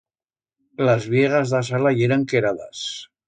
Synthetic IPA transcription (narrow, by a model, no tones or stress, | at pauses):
lazβjeɣazðas̬alajeɾaŋkeɾaða̰s